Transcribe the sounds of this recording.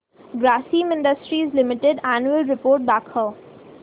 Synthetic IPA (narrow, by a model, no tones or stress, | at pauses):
ɡɾæːsĩːmɪ̃ɳɖəsʈɾizlɪmɪʈɪɖænjuəlɾɪpoːɾʈ̚bæːkhəː